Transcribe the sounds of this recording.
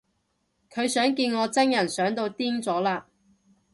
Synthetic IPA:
kʰɵ˨˧ɥsœː˨˥ŋkiː˧nŋɔː˨˧t͡sɐ˥ŋjɐ˨˩nsœː˨˥ŋt̪o˧wt̪iː˥ŋt͡sɔː˨˥laː˧

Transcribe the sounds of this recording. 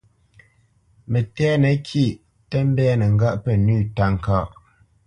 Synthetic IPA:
mɛ˨tɛ˦nɛ˨kʰi˦˨ʔ | tɛ˦m˦bɛː˦nə˨ŋ̩˦ɡa˦ʔpɛ˨nʉː˦˨ta˦ŋ˨ka˦˨ʔ

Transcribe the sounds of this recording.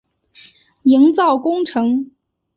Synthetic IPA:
i˧˥ŋt͡sɑ˥˩ʊkʊ˥ŋʈ͡ʂʰɤ˧˥ŋ

